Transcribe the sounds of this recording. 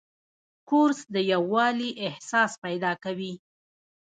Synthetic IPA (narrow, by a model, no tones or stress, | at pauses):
koʊɾsd̪əjawːɑliʔɪhsɑspajd̪ɑkawi